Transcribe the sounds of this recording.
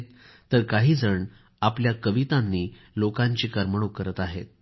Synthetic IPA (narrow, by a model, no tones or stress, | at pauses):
t̪ː | əɾkaɦiːd͡zəɳ | apljakəʋit̪ãnːiː | lokãɲt͡ɕiːkəɾməɽ̃okəɾət̪aɦet̪̚